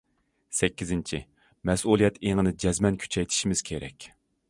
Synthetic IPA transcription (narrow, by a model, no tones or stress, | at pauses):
sɛkʲːizɪnt͡ʃʰi | mɛsulˠijɛt̪ʰeŋɨnɨd͡ʒɛzmɛnkʲʰy̥t͡ʃʰɛjt̪ʰi̥ʃimɪz̥kʲʰeɾɛ̰kʲ